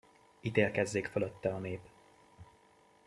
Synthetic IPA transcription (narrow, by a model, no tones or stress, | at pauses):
it̪eːlkɛzːeːkføløt̪ːɛɒneːp